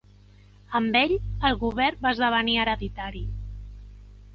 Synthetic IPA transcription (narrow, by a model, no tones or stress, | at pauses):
əmbeʎəlˠɣuβ̞ɛrbaəzðəβ̞əniəɾəðit̪aɾi